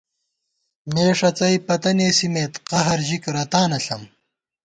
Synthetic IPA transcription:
meːʂɐt͡sɐjpɐt̪ɐneːsimeːt̪qɐɦɐɾʑikɾɐt̪aːnɐɬɐm

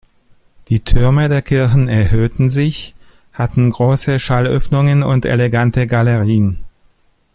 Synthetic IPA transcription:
d̥iːtʰʏɐmədeːɐkʰɪɐçn̩ɛɐɦøːtn̩zɪç | hatn̩ɡʁoːsəʃalʔœ̰fnʊŋənʊntḛleɡantəɡaləʁ̞iːən

